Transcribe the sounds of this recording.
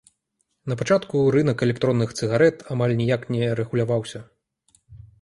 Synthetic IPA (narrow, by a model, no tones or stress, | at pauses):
nɐpat͡ʂat̪kuɾɨnɐkɛlʲɛk̚t̪ɾɔnːɨxt̪sɨɣaɾɛt̪amalʲnʲijaknʲɛɾɛɣulʲavawsʲɐ